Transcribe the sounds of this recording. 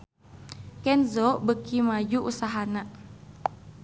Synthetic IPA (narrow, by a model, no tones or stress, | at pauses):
kɛnzɔbəkimad͡ʒuʔusaɦanaʔ